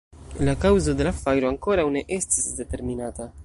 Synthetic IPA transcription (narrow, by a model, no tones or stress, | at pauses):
lakawzod̪elafajɾoaŋkoɾawneʔest̪isd̪e̞t̪eɾminaːt̪a